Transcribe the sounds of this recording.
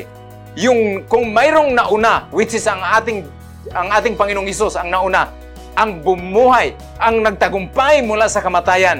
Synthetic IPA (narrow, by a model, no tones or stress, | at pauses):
jʊŋkʊŋmajɾʊŋnaʔʊnawɪsɪsaŋat̪ɪŋ | aŋaːt̪ɪŋpaŋɪnʊŋhɛs̬ʊsaŋnaʔʊna | ʔaŋbʊmuhaj | ʔaŋnaɡ̚t̪aɡʊmpajmʊlaʔsakamat̪ajan